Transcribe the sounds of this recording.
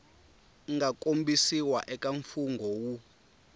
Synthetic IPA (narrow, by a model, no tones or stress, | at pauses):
ŋakʼombisiwaʔɛkʼaɱfuŋɡʱɔwu